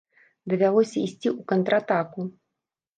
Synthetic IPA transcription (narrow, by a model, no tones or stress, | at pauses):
d̪ɐvʲalˠɔsʲɐisʲt͡sʲiukɐnt̪ɾat̪aku